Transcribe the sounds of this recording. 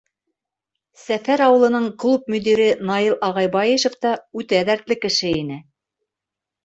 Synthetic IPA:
sæfæɾɑwɤ̆lˠɤ̆nɤɴklˠup̚mɵ̆d̪iɾɘnɑilˠʔɑʁɑjbɑjeʃŏft̪ɑʉt̪ææðæɾt̪lɘkɘ̆ʃɘinɘ

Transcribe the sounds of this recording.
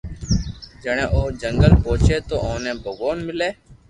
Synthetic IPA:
d͡ʒəɳ̃ẽːʔoːd͡ʒəŋɡəlpoːt͡ʃʰeːt̪oːʔoːnẽːbʱəɡoːnmɪleː

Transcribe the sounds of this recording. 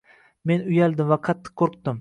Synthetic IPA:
menʊjalˠd̪ɪmvaqʰɑt̪ʰːɨ̥qqʰːoɾqt̪ɪm

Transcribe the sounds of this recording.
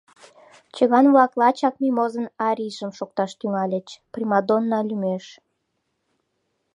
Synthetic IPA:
t͡ɕəɣɑnβlɑklɑt͡ɕɑk̚mimozənɑɾʲiʒəmʃok̚t̪ɑʃt̪yŋɑlʲət͡ɕprimɑd̪onːɑlʲymeʃ

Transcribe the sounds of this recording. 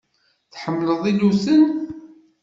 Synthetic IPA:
θħəmːləðˤilusən

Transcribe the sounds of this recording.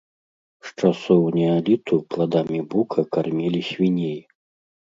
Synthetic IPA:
ʂt͡ʂasɔwnʲɛalʲit̪uplˠad̪amʲibukʰɐkarmʲɛlʲisʲvʲinʲej

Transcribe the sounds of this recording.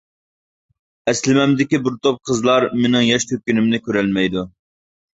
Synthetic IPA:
ɛslɪmɛmd̪ɪkʲibuɾt̪ʰop̚qʰəzlˠɑɾmɪnɪŋjɑʃt̪ʰøkʲynɪmnɪkʲøɾɛlmɛjd̪u

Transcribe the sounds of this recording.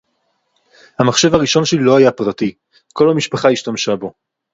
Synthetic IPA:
hamaχʃe̞vaʁiʃo̞nʃelilo̞ajapʁati | ko̞lhamiʃpaχaiʃtamʃabo̞

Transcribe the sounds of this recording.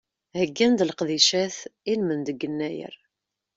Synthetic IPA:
həɡːænd̪lqðiʃæθinmənd̪əɡːənːæjə̰ɾ

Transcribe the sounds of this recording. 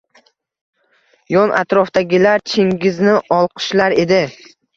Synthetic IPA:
jɒnʔa̰t̪ɾɒfd̪aɡʲɪlaɾt͡ʃʰɪŋɡʲɪznɪʔɒlˠqʰɨ̥ʃlaɾe̞d̪ɪ

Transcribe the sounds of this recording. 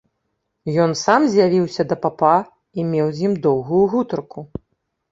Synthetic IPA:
jɔnsamzʲjavʲiwsʲɐd̪ɐpapa | imʲɛwzʲjimd̪ɔwɣujuɣut̪ɐrku

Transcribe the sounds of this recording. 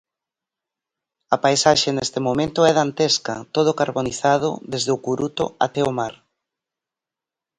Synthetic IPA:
ɐpajsaʃenest̪ɪmomẽnt̪ʊɛðant̪eskɐt̪oð̞ʊkaɾβoniθað̞ʊ̰ðezðɪokuɾut̪o̰a̰t̪ɛomaɾ

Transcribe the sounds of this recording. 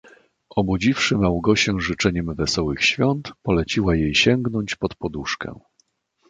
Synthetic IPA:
ɔbud͡ʑifʂɘmawɡɔɕɛʐɘt͡ʂɛɲɛmvɛsɔwɘxɕfʲjɔnt̪pɔlɛt͡ɕiwajejɕɛŋɡn̪ɔɲt͡ɕpɔt̪pɔd̪uʂkɛ̰̃

